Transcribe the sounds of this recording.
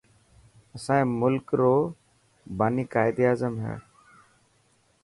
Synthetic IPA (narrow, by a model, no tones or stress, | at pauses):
əsãːĩːmʊlkɾoː | baːniːkaːɪd̪iːaːzəmɦɛ̰ː